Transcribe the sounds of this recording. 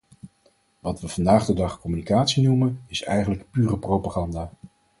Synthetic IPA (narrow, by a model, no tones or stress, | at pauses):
ʋɑtʋəv̥ɑndaːχdədɑχkɔmynikaːtsinumənɪsɛ̰jχənləkpyːrəprowpaχɑndaː